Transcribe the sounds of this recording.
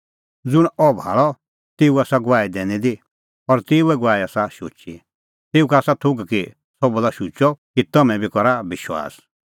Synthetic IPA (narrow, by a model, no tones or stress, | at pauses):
d͡zʊɽ̃ɔbʱa̰ːɭɔ | t̪eːuaːsaɡaːid̪ɛːnĩd̪i | ɔɾt̪eːuɛɡʊʋaːiaːsaʃot͡ʃi | t̪eːukaːsat̪ʰʊɡki | sɔbulaʃut͡ʃɔkit̪ɐmɛ̃bʱikɔɾabɪʃwa̰ːs